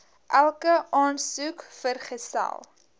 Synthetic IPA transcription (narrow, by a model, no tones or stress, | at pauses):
ʔælˠkəʔɑːnsukfərχəsæ̰lˠ